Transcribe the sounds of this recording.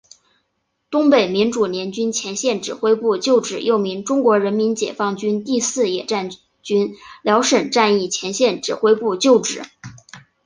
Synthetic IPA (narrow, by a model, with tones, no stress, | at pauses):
t̪ʊ˥ŋpe˨˩ɪmi˧˥nʈ͡ʂu˨˩njɛ˧˥nt͡ɕy˥nt͡ɕʰjɛ˧˥nɕjɛ˥˩nʈ͡ʂɻ̩˨˩xwe˥ɪpu˥˩t͡ɕjo˥˩ʊʈ͡ʂɻ̩˨˩jo˥˩ʊmi˧˥ŋʈ͡ʂʊ˥ŋkwɔ˧˥ɻə˧˥nmi˧˥nt͡ɕjɛ̰˨˩fɑ˥˩ŋt͡ɕy˥nt̪i˥˧sɹ̩˥˩jɛ˨˩ʈ͡ʂa˥˩n | t͡ɕy˥nljɑ˧˥ʊʂə˨˩nʈ͡ʂa˥˧ni˥˩t͡ɕʰjɛ˧˥nɕjɛ˥˩nʈ͡ʂɻ̩˨˩xwe˥ɪpu˥˧t͡ɕjo˥˩ʊʈ͡ʂɻ̩˨˩˦